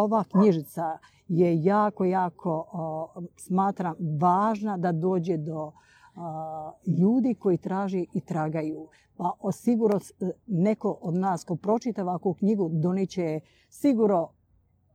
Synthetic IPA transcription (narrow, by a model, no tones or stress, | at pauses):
oʋakɲiʒit̪sa | jejaːko̞jaːkʰo̞ | smaːt̪ɾamʋaːʒnad̪ad̪o̞ːd͡ʑed̪o̞ | ʎuːd̪iko̞jit̪ɾaːʒeʔit̪ɾaɡajuː | paʔsiɡuɾnone̞ko̞ʔod̪naːsko̞pɾo̞t͡ʃit̪aʋakukɲiɡud̪o̞nit͡ɕe | siɡuɾno